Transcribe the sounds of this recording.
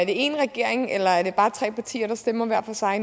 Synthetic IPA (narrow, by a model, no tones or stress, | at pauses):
æɐd̥e̝e̝̰nʁɛɡ̥e̝ɐ̰eŋelɐæɐd̥e̝b̥ɑ̈ːt͡sʰʁɛ̰ːpʰɑ̈t͡sʰḭːɐɾ̥ɑ̈sd̥emɐʋæɐ̰fɒsɑ̈ɪ